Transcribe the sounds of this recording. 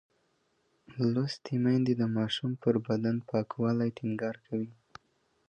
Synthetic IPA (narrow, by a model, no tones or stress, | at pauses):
lost̪ʰimajnd̪id̪əmɑʃumpəɾbad̪anpɑkwɑlajʈʰɪŋɡɑɾkʰawi